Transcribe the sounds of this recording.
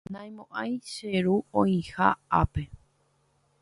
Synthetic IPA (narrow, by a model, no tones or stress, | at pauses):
nãj̃mõʔãj̃ʃeɾuõĩha̰ape̞